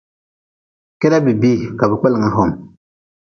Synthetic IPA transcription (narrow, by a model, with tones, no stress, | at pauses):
kɛ˦da˦bi˨bi˦ka˨bi˨k͡pɛ˦li˨ŋa˦ɦɔ˨m